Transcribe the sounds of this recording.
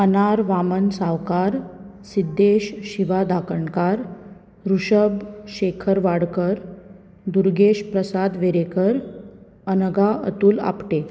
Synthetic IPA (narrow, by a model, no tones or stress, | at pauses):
ənaɾʋamənsaʋkaɾ | sid̪ːeɕɕiʋad̪akəɳkaɾ | ɾuɕəbɕekʰəɾʋaɽkəɾ | d̪uɾɡeɕpɾəsad̪ʋeɾekəɾ | ənəɡaə̰t̪uːla̰pʈe